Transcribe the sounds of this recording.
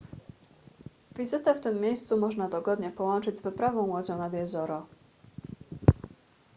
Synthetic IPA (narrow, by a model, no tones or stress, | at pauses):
vʲizɘt̪ɛft̪ɘmːʲjejst̪sumɔʐnad̪ɔɡɔd̪ɲɛpɔwɔnt͡ʂɘd͡ʑzvɘpɾavɔ̃w̃mwɔd͡ʑɔ̃w̃nad̪jɛzɔɾɔ